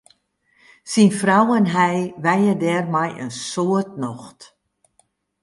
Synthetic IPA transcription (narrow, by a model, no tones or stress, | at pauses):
sinfrawənɦɛjʋɛjədɛrmɛjə̰nsoət̚nɔxt